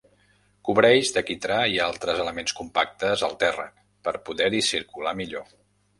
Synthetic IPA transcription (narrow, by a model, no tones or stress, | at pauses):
kuβɾɛʒd̪əkit̪ɾaialˠt̪ɾəzələmenskumpak̚t̪əzəlˠt̪ɛrə̰ | pəɾpuðɛɾisiɾkulamiʎo